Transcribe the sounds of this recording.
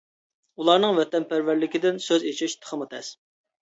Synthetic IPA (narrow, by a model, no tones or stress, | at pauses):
ulˠɑɾnɨŋvɛt̪ɛnpæɾvæɾlɪkʲɪd̪ɪnsøzet͡ʃʰiʃt̪ʰə̥χʰəmɨt̪ʰɛs